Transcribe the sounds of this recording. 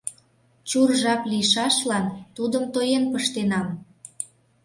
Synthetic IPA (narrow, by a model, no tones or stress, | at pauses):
t͡ɕurʒɑpliʃɑʃlɑnt̪ud̪əmt̪ojenpəʃt̪enɑm